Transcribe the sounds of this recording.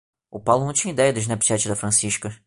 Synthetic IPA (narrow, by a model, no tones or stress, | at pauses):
ʊpawlʊnɐ̃w̃t͡ʃĩɲɐid̪ɛjɐd̪ʊɪznɛpʃɛt͡ʃɪd̪ɐfɾɐ̃siʃkɐ